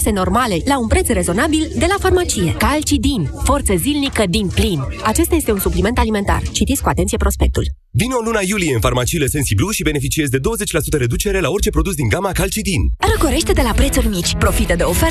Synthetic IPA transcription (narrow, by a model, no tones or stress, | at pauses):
se̞no̞rmale̞launpɾe̞t̪sre̞zo̞nabild̪e̞lafarmat͡ʃije̞kalt͡ʃid̪inʲfo̞rt̪səzilnikəd̪inplinat͡ʃe̞st̪ajet̪e̞unsuplime̞nt̪alime̞nt̪a̰rt͡ʃit̪it̪skuat̪e̞nt̪siepɾo̞spe̞k̚t̪ṵl | vino̞lunajulijeɨnfarmat͡ʃilese̞nsibluʃibe̞ne̞fit͡ʃie̞zd̪e̞d̪o̞wəzet͡ʃʲlasu̥t̪əɾe̞d̪ut͡ʃe̞ɾe̞lao̞rt͡ʃe̞pɾo̞d̪us̬d̪iŋɡamakalt͡ʃid̪inrəkoɾe̞ʃt̪e̞d̪e̞lapɾet̪surʲmit͡ʃʲpɾo̞fit̪əd̪e̞ofe